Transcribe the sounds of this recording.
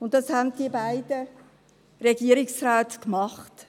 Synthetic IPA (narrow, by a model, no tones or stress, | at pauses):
ʊntːɑshænd̥iəbaɪdə | reɡiəɾiksɾaːtkmɑχt